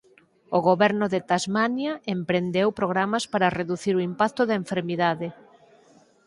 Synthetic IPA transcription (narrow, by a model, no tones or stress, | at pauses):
oɣoβɛɾnʊðet̪azmanjɐempɾend̪ewpɾoɣ̞ɾamɐspaɾɐreðuθiɾoimpak̚t̪ʊðɐeɱfeɾmiðaðɪ